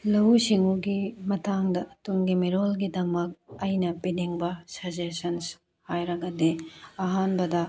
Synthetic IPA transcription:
lɐwsiŋuɡimɐtʰaŋdɐtuŋɡimiɾolɡidɐmɐk̚ɐjnɐpiniŋbɐsɐd͡ʒesɐns | hajɾɐɡɐdeɐɦanbɐdɐ

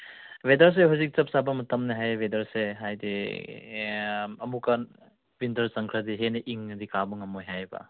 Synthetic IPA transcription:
bedɐɾs̬eɦuzik̚t͡ʃɐp̚sabɐmɐtɐmneɦajbedɐɾseɦajdi | ɐmukan | bindɐɾsɐŋkʰɾɐdiɦeniʔiŋɐdikabuŋɐmojɦajbɐ̰

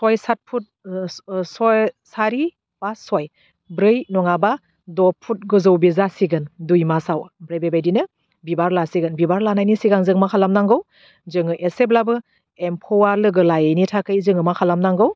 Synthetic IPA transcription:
sɔjsat̚pʰut̚ | sɔjsaɾi | b̥asɔj | bɾɯjnɔŋaba | dɔpʰut̚ɡɯzɯwbizasiɡɯndujmasawbɾɯjbebajdinɯ | bibaɾlasiɡɯnbibaɾlanajnisiɡaŋzɯŋmakʰalamnaŋɡɯw | zɯŋɯʔeseblabɯ | empʰɔwaɾlɯɡɯlajenitʰakɯjzɯŋɯmakʰalamnaŋɡɯw

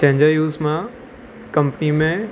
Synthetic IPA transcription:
t͡ɕɐ̃ɦɪ̃ɲd͡ʑajuːzmã | kɐ̃mpnimẽ

